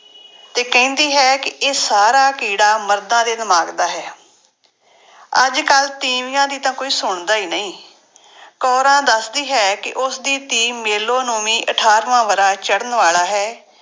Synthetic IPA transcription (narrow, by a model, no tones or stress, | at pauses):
t̪eːkɛ̃ːnd̪iːɦɛːkɪʔeːsaːɾaːkiːɽaːməɾd̪ãːd̪eːd̪ɪmaːɡd̪aːɦɛː | əd͡ʒkəlt̪iːmɪjãːd̪iːt̪ãːkoːiːsʊɳd̪aːiːnəĩː | kɔːɾãːd̪əsd̪iːɦɛːkɪʔʊsd̪iːt̪iːmeːloːnõːmĩːʔəʈʰaːɾʋãːʋəɾãːt͡ʃəɽənʋaːlaːɦɛː